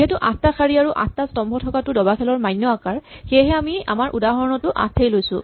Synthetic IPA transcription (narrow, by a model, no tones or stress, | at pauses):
iɦɛtuʔã̰staxʰaɹiaɹuʔã̰stastɔmbʱɔtʰɔkatʊdɔbakʰɛlɔɹmajnːɔakaɹxejɦɛamia̰maɹʔṵdaɦɔɹɔnɔtʊʔa̰stʰejlojsʊ̰̃